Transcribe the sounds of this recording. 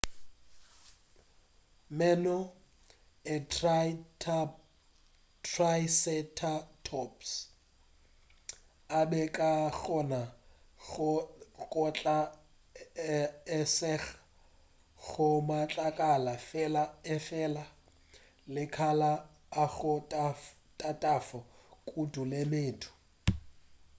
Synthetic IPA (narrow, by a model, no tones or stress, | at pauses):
mɛnɔ | ɪ | tʰrajsɛtʰatʰɔps | abɛkʼaɣɔna | ɣʊkʼɔt͡ɬʼa | ɛsɛɣḁ | ɣʊmat͡ɬʼakʼalafɛlaɪfɛla | lɪkʰalaː | ɣʊtʼaf | tʼatʼafɔkʼudulemeːtʰʊ̥